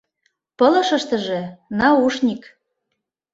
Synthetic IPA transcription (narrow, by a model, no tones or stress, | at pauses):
pɤ̆lɤ̆ʃɤ̆ʃt̪ɤ̆ʒĕnɑuʃnʲik